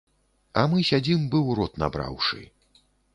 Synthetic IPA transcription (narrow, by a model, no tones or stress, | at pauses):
ɐmɨsʲad͡zʲimbɨwɾɔt̪na̰bɾa̰wʂɨ̰